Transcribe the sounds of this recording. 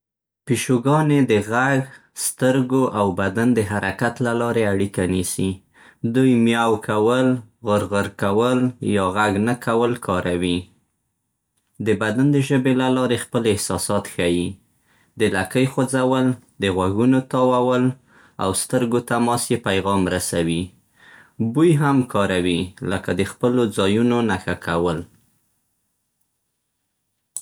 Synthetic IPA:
piʃoɡɑned̪əɣaɡ | st̪əɾɡoʔawbad̪and̪əɦaɾʔakat̪lalɑɾeaɽikanisi | d̪ujmjawkʰawəlɣəɾɣəɾkawəljɑɣaɡnakawəlkʰɑɾawi | d̪əbad̪and̪əʒəbelalɑɾexpəlɪhsɑsɑt̪xaji | d̪əlakəjxod͡zawəld̪əɣwaɡunot̪ɑwawəl | a̰wst̪əɾɡot̪amɑsjepajɣɑmɾasawi | bujɦamkʰɑɾawiləkad̪əxpəlod͡zɑjunonaxakʰawəl

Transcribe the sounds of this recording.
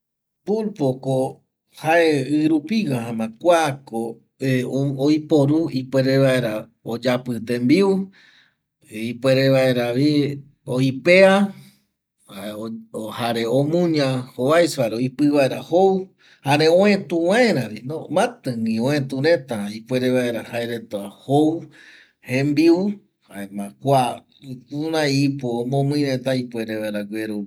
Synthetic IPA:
pulpoko | haeɨɾupiɣaɦãmãkʷako | ojpoɾuipweɾeβaeɾa | od͡ʒapɨt̪embiu | ipeɾeβaeɾaβi | oipea | haeohaɾeomũɲãhoβajsaɾeoipɨβaeɾahow | haɾeõẽt̪ũwãẽɾaβinõmãt̪ɨ̃ŋĩõẽt̪uɾẽt̪aipweɾeβaeɾahaeɾet̪ahow | hẽmbiu | haemãkʷa | unãipoːmõmɨ̃nẽt̪aipwʷeɾeβaeɾaɡʷeɾu

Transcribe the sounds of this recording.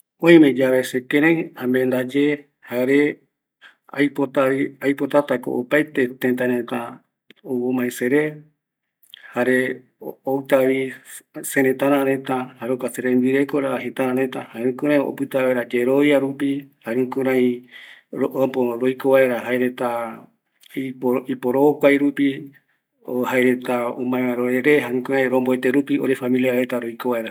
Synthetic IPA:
õĩmẽd͡ʒaβesekẽɾãĩãmbend̪ad͡ʒe | haɾe | a̰jpot̪aiajpot̪at̪ako̰ʔopajt̪e̞t̪ẽnt̪ãɾẽt̪a | owomãeseɾe | haɾe | owt̪aβisẽɾẽt̪ãɾãɾẽt̪ãhaɾokaseɾembiɾekoɾaɦet̪ãɾãɾet̪ahaeɾũkũɾãj̃o̰pɨt̪aβeɾad͡ʒeɾojaɾupihaɾũkũɾãĩ | ɾoʔopoɾojkoβaeɾaɦaeɾet̪a | ipoipoɾookʷajɾupi | ohaeɾet̪aomãeãɾoɾeɾeɦaɾũkũɾãj̃ɾõmboet̪eɾupioɾefamiliaɾet̪aɾojkoβaeɾa

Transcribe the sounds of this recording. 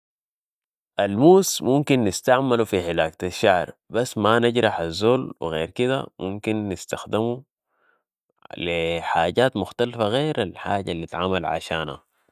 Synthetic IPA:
ʔalmuːsmumkinːɪst̪aʕmalufiħɪlaːkt̪aʃːaʕɾbasːmanaɟɾˤɑħazːoːlwḭɣeːɾkid̪a̰mumkinːɪst̪axd̪imu | liħaːɟaːt̪mʊxt̪alfaɣeːɾalħaːɟalːit̪ʕaːmalʕa̰ʃaːnha̰

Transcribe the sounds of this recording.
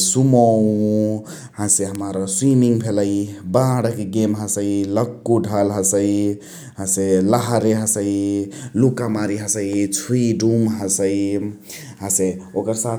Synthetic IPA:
sumɔ | hãseɦəmaɾswimiŋɡbʰʱeləibãɽakeɡemɦə̃səiləkːuɖʱalɦə̃səi | ɦãseləɦɾeɦə̃səilukamaɾiɦə̃səjt͡ʃʰuiɖumɦə̃səi | ɦãseokəɾsat̪ʰ

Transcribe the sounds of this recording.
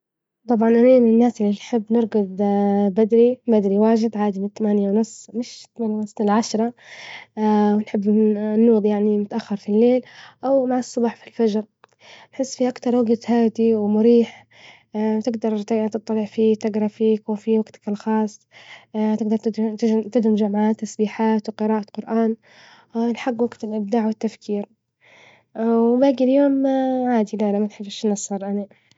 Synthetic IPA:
t̪ˤɑbʕɑnʔanaːmɪnɪnːaːsʔɪlːinħɪbːnɪɾˤɡʊd̪bad̪ɾibad̪ɾiwaːʒɪd̪ʕaːd̪imɪnɪt̪ːamaːnjawnʊsmɪʃt̪maːnjawnʊsˤɪlʕaʃɾˤɑ | wnħɪbːnːuːd̪ˤjaʕnimʊt̪aʔaxːɑɾˤfilːeːlʔawmaʕɑsˤːɑbɑːħfilfad͡ʒɾˤ | nħɪsːfiʔakt̪ɑɾˤwaɡt̪haːd̪iwmʊɾiːħ | t̪ɪɡd̪ɑɾˤt̪t̪ɨt̪ˤːɑlɪʕfiːt̪ɪɡɾˤɑfiːkfiwaɡt̪kalxɑːsˤː | t̪ɪɡd̪ɑɾˤt̪t̪ɪt̪ɪd̪ɪmd͡ʒamʕaːt̪ːasbiːħaːt̪wqɪɾɑːʔaqʊɾʔaːn | nħaɡːwaɡt̪ɪlʔɪb̚d̪aːʕwɪt̪ːafkʰiːɾ | baːɡiljoːmʕaːd̪ilalamanħɪbːɪʃnɑsˤːɑɾˤʔana

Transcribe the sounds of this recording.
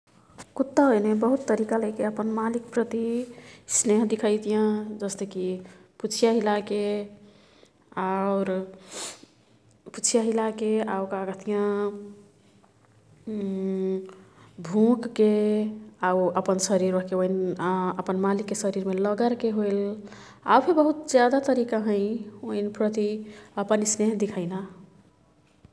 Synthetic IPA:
kut̪ːəɦojnebəɦut̪ːəɾikaləjkeəpənmalikpɾət̪isneɦd̪ikʰajt̪ijãd͡ʒəst̪ekiput͡ʃʰijaɦilake | aʊɾ | put͡ʃʰijaɦilakeaukaɡət̪ijã | bʱũkːe | aəpənsəɾiɾəɦkeoinəpənmalikːesəɾiɾmeləɡəɾkeɦojl | a̰wpʰebəɦut̪d͡ʒjad̪at̪əɾikaɦə̃ɪ̃oɦinpɾət̪iəpənisneɦd̪ikʰəɪna

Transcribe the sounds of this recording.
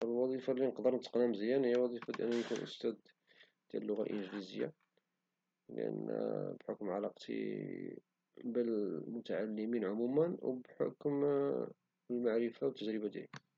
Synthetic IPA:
ʔəlwɑd̪ˤifalːinəqd̪əɾnət̪əqnæmzəjːænhəjːæwɑd̪ˤifad̪ʔənːujkunʔə̰st̪æd̪ | d̪̥jæ̰lːʊɣæʔə̰nʒlizəjːa̰ | lʔə̰nbħʊkmʕalɑqt̪ʰḭ | bəlmʊt̪aʕalːəminʕʊmumənwbħo̰km | əlmaʕɾəfawət̪ːəd͡ʒɾəbad̪jæ̰li

